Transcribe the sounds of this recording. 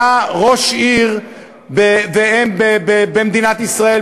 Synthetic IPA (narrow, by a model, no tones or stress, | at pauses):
aʁo̞ʃiʁ | beveebebebemd̪inat̪isʁae